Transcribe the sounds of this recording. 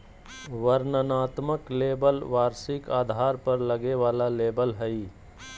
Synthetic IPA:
ʋəɾnənaːt̪məkleːbəlʋaːɾsɪkaːd̪ʱaːɾpəɾləɡeʋaːlaleːbəlɦəi

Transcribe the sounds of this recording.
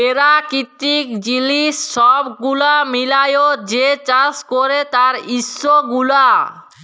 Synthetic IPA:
eɾakit̪ikd͡ʑiliʃːɔbɡulamilajod͡ʑet͡ɕaskoɾet̪aɾisːoɡula

